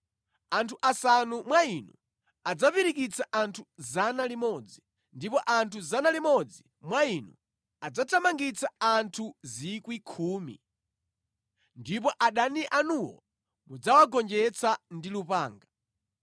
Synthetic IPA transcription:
antʰuʔasanumwainṵ | ad͡zapiɾikit͡sʰaʔantʰuzanalimɔd͡zi | ndipɔʔantʰuzanalimɔd͡zi | mwainṵ | ad͡zatʰamaŋɡit͡sʰaantʰuzikwikʰuːmḭ | ndipɔʔaɗaniʔanuwɔ̰ | mud͡zawaɡɔnd͡ʒɛt͡sʰandilupaːŋɡa

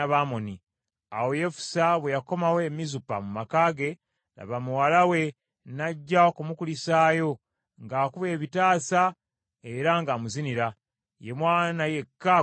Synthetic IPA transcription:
aβaːmoni | a̰woje̞fu̥saβwe̞jako̞mawe̞mizupa̰mumakaːɡe̞ | la̰βamuwalawe̞ | naɟːaokumukulisaːjo̞ | ŋɡaːkuβe̞ːβitaːsa | eɾaŋɡaːmuziniɾa | jemwaːnaje̞kːa

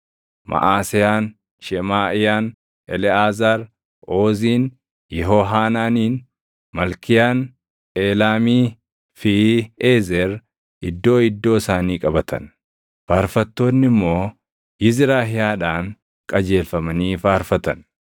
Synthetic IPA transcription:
mʔɐ̰ʔaːsɪjaːn | ʃɛmaːʔɪjaːn | ʔɛ̰lɛaːzaːɾ | oːziːn | jɛɦo̞ːɦaːnaːniːn | mɐlkɪjaːn | eːlaːmiː | fɪeːzɛɾ | ɪd̪ːo̞ːɪd̪ːo̞ːɪsaːniːkʼɐbɐt̪ɐ̰n | faːɾfɐt̪ːo̞ːnːɪmːo̞ː | jɪzɪɾaːɦɪjaːᶑaːŋ | kʼɐd͡ʒe̞ːlfɐmɐniːfaːɾfɐt̪ɐn

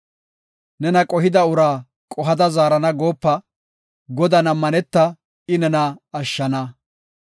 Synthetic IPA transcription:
nɛnɐkʼɔɦɪd̪ɐʊɾaː | kʼɔɦɐd̪ɐzaːɾɐnɐɡoːpːɐ | ɡɔd̪ɐnɐmːɐnɛt̪ːɐ | ɪnɛnɐːʃːɐnɐ

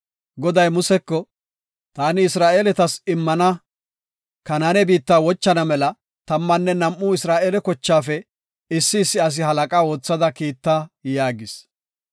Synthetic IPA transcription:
ɡɔd̪ɐjmʊsɛkːɔ | t̪aːnɪɪsɾaːʔeːlɛt̪ɐsɪmːɐnɐ | kɐnaːnɛbiːt̪ːaːwɔt͡ʃːɐnɐmɛlɐ | t̪ɐmːɐnːɛnɐmːuːɪsɾaːʔeːlɛkɔt͡ʃːaːfɛ | ɪsːɪːsːɪɐs̬ɪɦɐlɐkʼaːwo̞ːt͡sːɐd̪ɐkiːt̪ːaːjaːɡɪs

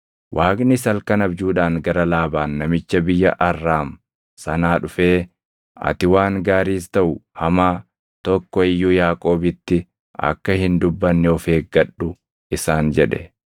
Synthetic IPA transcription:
wʔaːknɪsɐlkɐnɐbd͡ʒuːᶑaːŋɡɐɾɐlaːbaːnːɐmɪt͡ʃːɐbɪjːɐʔɐrːaːm | sɐnaːᶑʊfe̞ː | ɐ̰t̪ɪwaːŋɡaːɾiːst̪ɐʔʊhɐmaː | t̪ɔkːɔɪjːʊjaːkʼo̞ːbɪt̪ːɪ | ɐ̰kːɐhɪnd̪ʊbːɐnːɛɔfe̞ːɡɐɗʊ | ɪsaːnd͡ʒɛᶑɛ̰

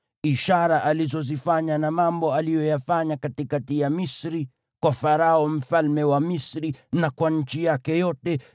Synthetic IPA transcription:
iʃaɾaʔalizɔzifaɲanamambɔalijɔjafaɲakatikatijamisɾi | kwafaɾaɔm̩falmɛwamisɾinakwaɲ̩t͡ʃijakɛjɔtɛ

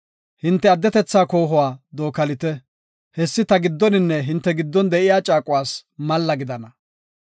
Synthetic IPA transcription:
hɪnt̪ːɛɐd̪ːɛt̪ɛt͡sːaːko̞ːɦʊwaːd̪o̞ːkɐlɪt̪ɛ | hɛsːɪt̪ɐɡɪd̪ːɔnɪnːɛɦɪnt̪ːɛɡɪd̪ːɔnd̪ɛʔɪjaːt͡ʃʼaːkʼʊwaːsmɐlːɐɡɪd̪ɐnɐ

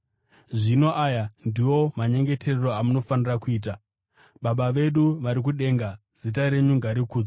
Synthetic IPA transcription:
ʐino̞ʔaːjandiwo̞maɲe̞ŋɡe̞tʰe̞rero̞amuno̞fanirakuiːt̬a | ɓaɓaʋe̞ɗuʋaɾik̬uɗe̞ŋɡa | z̥itaɾe̞ɲuŋɡaɾikuːd͡zo

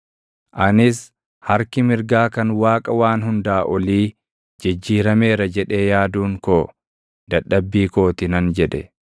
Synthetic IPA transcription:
ʔɐnɪs | hɐɾkɪmɪɾɡaːkɐnwaːkʼɐwaːnɦʊnd̪aːʔɔliː | d͡ʒɪd͡ʒːiːɾɐme̞ːɾɐd͡ʒɛᶑe̞ːjaːd̪uːŋkoː | d̪̥ɐᶑːɐbːiːko̞ːt̪ɪnɐnd͡ʒɛᶑɛ

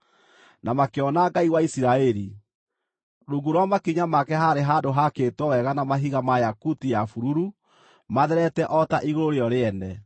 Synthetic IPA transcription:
namakeɔnaɡaiɣwaisiɾaɛɾi | ɾuɡuɾwamakiɲamakɛɦaɾeɦaːdoɦakeːtwɔwɛɣanamaɦiɣamajakutijafuɾuɾu | maðɛɾɛtɛʔɔtaʔiɣoɾoɾeɔɾeɛnɛ

